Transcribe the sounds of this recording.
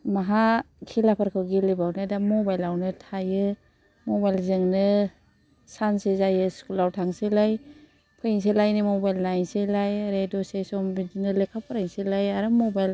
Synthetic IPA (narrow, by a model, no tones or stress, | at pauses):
maɦakʰilapʰaɾkʰɯwɡilibawnɯdamɔbajlawnɯtʰajɯ | mɔbajlzɯŋnɯ | sansezajɯskulawtʰaŋselaj | pʰɯjiŋs̬elajnɯmɔbajlnajselajɾedɔsesɔmbidinɯlekʰapʰaɾajŋselajaɾɯmɔbajl